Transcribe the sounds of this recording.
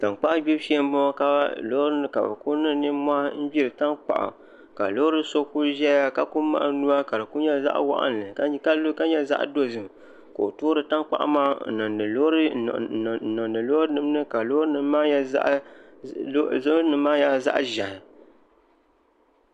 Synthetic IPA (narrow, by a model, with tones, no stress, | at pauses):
ta˨ŋk͡pa˦ʔbi˦bʃi˦ɛ˦m˦bɔ˦ma˦ka˦a̰˦lo˦ɾɨ˦nɨ˨ka̰˨bɨ̰˨ku˦nɨ˦˨nɨ˦ma˦m̩˦bi˦ɾɨ˨ta˦ŋk͡pa̰˨ʔa̰˨ | ka̰˨lo˦ɾɨ˦so˦ku˦ʒɛ˦ja˦ka˨ku˦ma̰˦ʔnu˦a˦ka˨ɾɨ˨ku˦ɲɛ˦za̰˦ʔwa̰˦ʔa̰˦nː˨ɨ˨˦ka˦lka˦ɲɛ˦za̰˦ʔdo˦zɨ˨m | ko˨o˨to˦ɾɨ˨ta˦ŋk͡pa̰˦˨ʔa̰˦maː˦˨nɔ˨nɨ˨lo˦ɾɨ˦˨nɔ˨nɨ˨lo˦ɾɨ˦nɨ˦m˦nɨ˦ka˨lo˦hɾɨ˦nɨ˦ma˦a̰˦ʔ | zo˦nɨ˨maː˦ja˦za̰˦ʔʒa˨hɪ˨